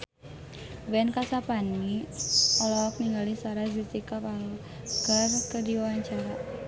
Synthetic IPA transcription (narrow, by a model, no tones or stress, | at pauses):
wɛnkasapani | ɔlaak̚niŋɡalisaɾazitikapa | ɡ̥arkədiwwaɲt͡ʃaɾa